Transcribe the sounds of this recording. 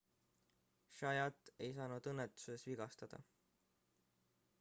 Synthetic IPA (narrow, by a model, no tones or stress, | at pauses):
ʃɑjɑt̪ːˑe̞jsɑːnud̪̥ɤnːet̪ːˑu̥se̞sviɡ̥ɑst̪ɑd̪̥ɑ̰